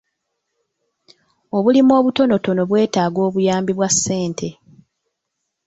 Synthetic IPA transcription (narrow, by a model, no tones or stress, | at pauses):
o̞βulimo̞ːβuto̞noto̞no̞βwe̞ːtaːɡo̞ːβujaːmbiβwasːe̞ːntʰe̞